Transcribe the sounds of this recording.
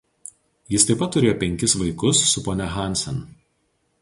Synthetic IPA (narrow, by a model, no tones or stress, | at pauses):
jɪst̪ɐɪpɐt̪ːʊɾʲeːjoːpʲɛŋʲkʲɪsʋɐɪkʊsːʊpoːnʲɛxɑˑnʲsʲɛ̰n